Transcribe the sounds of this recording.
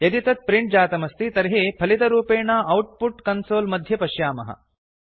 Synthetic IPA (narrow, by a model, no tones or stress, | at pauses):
jɐd̪it̪ɐt̪̚pɾiɳʈ̚d͡ʒaːt̪ɐmɐst̪it̪ɐɾɦeːpʰɐlit̪ɐɾuːpeːɳɐʔɐwʈ̚puʈkɐnsoːlmɐd̪ʱjɐpɐʃjaːmɐ̰ɦɐ̰